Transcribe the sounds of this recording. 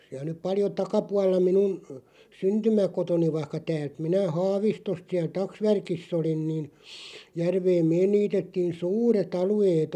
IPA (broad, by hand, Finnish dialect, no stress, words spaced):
siæl̞ nyp pɑljo tɑkɑpuɑlˑɑ minun syntymækotoni ʋɑĭhkɑ tæːlt minæ hɑːʋistost siæl tɑksʋærkisː olin niːn jærʋeːm meːn niːtetːiːn suːret ɑlueːt